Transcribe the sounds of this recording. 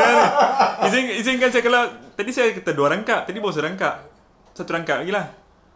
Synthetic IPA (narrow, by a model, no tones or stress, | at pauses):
aɾizɪŋizɪŋkansajakalat̪adisajakət̪aduaɾaŋkaʔt̪adibawas̬əɾaŋkaʔ | sat̪uɾaŋkaʔaɡilah